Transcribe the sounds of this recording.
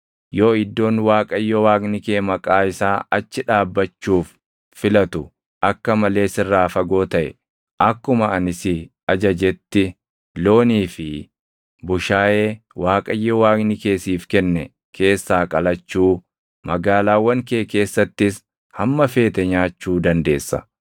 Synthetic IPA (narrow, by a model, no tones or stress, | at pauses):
joːɪd̪ːo̞ːnwaːkʼɐjːɔwaːknɪkeːmɐkʼaːɪsaːɐt͡ʃːɪᶑaːbːɐt͡ʃːuːfː | ɪlɐt̪ʊ | ʔɐkːɐmɐle̞ːsɪrːaːfɐɡo̞ːt̪ɐʔɛ̰ | ʔɐkːʊmɐɐnɪsɪ | ɐd͡ʒɐd͡ʒɛt̪ːɪ | lo̞ːniːfɪ | bʊʃaːʔeː | waːkʼɐjːɔwaːknɪke̞ːsiːfkɛnːɛ | kʰe̞ːsːaːkʼɐlɐt͡ʃːuː | mɐɡaːlaːwːɐŋkeːke̞ːsːɐt̪ːɪs | hɐmːɐfe̞ːt̪ɛɲaːt͡ʃːuːd̪ɐnd̪e̞ːsːɐ̰